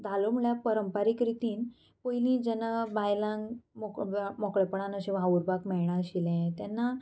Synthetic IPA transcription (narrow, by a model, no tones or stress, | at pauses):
d̪ʱalom̤uɭjapəɾəmpaɾikɾit̪iːn | pojlĩd͡ʑɛnabajlãŋɡmɔkmɔkɭɛpəɽanəɕẽʋauɾbakmɛɭɳ̃ãɕilɛ̃t̪janːa